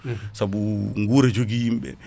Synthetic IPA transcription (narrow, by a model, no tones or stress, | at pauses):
sabuŋɡuɾɛd͡ʒoɡijimɓɛ̰